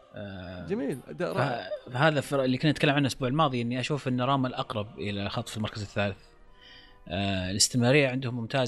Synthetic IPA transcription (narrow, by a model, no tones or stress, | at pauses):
ʔd͡ʒamiːld̪afaɦaːðaflːikʊnːʔat̪kalːamʕanʔʊsbuːʕɪlmɑːðˤiʔɪnːiʔaʃuːfɪnːɑɾˤɑːmalʔɑqɾˤɑb̚ʔɪlalxɑt̪ˤːfilmɑɾˤkazɪθːaːlɪθ | ʔɪlɪst̪ɪmɾɑːɾɪjːaʕɪnd̪hʊmːʊmt̪ʰaːz